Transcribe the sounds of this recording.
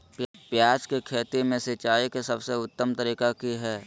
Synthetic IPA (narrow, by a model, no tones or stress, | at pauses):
ppjaːd͡ʒkekʰeːt̪imẽsɪt͡ʃaːikesɐbseʊt̪ːəmt̪əɾiːkakiɦɛː